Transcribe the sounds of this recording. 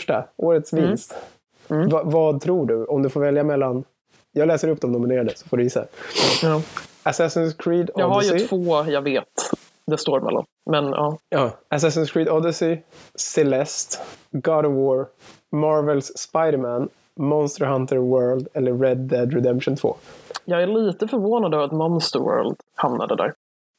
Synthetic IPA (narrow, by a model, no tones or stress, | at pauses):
ʂʈa̰ʔoːɾət̪svɪnst̪ː | vavɑd̪̚t̪ʰɾuːɖɵɔmd̪ɵfoːɾvɛljamɛlːan | jɑːɡlɛːsəɾɵp̚ːd̪ɔmnʊmɪneːɾad̪əsɔ̥foːɖɵjɪsːa̰ | asæsənskʰɹiːd̪ɔadhaɾjɪt̪ʰvoːjɑːɡveːt̪ | d̪ɛst̪oːɾmʔɛ̰lːɔ̰m | mɛnɑːɑːas̬æsənskʰɹiːd̪ɔd̪əsɪsɛlɛst̪ɡɑd̪əwoːɾ | mɑɾvɛlsspajd̪əɾmæn | mɔnst̪əɾɦant̪əɾwɜːɾld̪ɛlːəɾːɛd̪ːɛd̪ɾɛd̪ɛmpʃʊnt̪ʰvo̰ːjɑːɡæɭiːt̪əfœɾvoːnad̪ɑːvɾat̪mɔnst̪əɾwœ̰ːɾld̪̥hamna̰d̪ə̰d̪æ̰ːɾ